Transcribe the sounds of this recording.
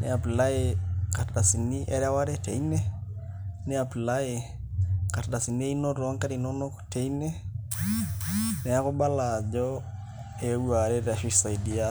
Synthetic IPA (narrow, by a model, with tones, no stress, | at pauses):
nɛ˨a˨pi˨la˦eka˨ɾda˨si˨ni˦ʔɛ˦ɾa˦wa˦ɾɛ˦te˨i˦ne˦ | nɛ˦a˨pi˨lae˨ | ka˨ɾda˨si˨ne˦i˦no˦ɾɔ˨a˦ŋka˦ɾi˨no˦no˦kte˨ine˦ | nɛ˨a˦ko˦ba˦la˨d͡ʒɔ | e˦u˦a˨ɾɛ˦ɾa˨ʃi˦sa˨idi˨a